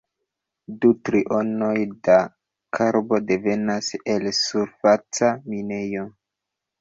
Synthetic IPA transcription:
dutɾiʔo̞no̞jda | kʰaɾbo̞de̞ve̞nase̞lsuɾfat͡samine̞jo̞

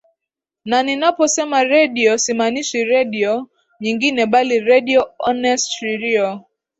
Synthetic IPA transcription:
naninapɔsɛmaɾɛdiɔsimanisiɾɛdiɔ | ɲiŋɡinɛɓaliɾɛdiɔɔnɛstɾiɾiɔ

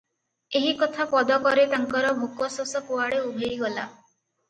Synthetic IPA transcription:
eɦikɔt̪ʰapɔd̪ɔkɔɾet̪aŋkɔɾɔbʱokɔsɔsɔkoaɽeubʱeiɡɔla̰

